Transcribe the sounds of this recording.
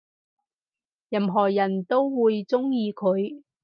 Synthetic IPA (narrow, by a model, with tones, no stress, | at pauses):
jɐ˧˩mɦɔː˨˩jɐ˨˩nt̪o˥wwuː˨˧jt͡sʊ˥ŋjiː˧kʰɵ˨˧ɥ